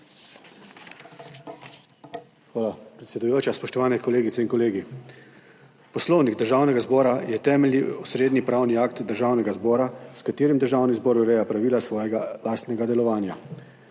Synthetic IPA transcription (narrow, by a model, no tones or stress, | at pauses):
xʋaːlapɾɛt̪sɛd̪ujoːt͡ʃaspɔʃt̪ɔʋaːnɛkɔleːɡit̪sɛinkɔleːɡi | pɔslɔwniɡd̪əɾʒaːwnɛɡazbɔːɾajɛt̪ɛːmɛlniusɾeːd̪nipɾaːwniaːk̚t̪d̪əɾʒaːwnɛɡazbɔːɾaskat̪eːɾimd̪əɾʒaːwnizbɔːɾuɾɛːjapɾaʋiːlasʋɔːjɛɡalaːst̪nɛɡad̪ɛlɔʋaːnja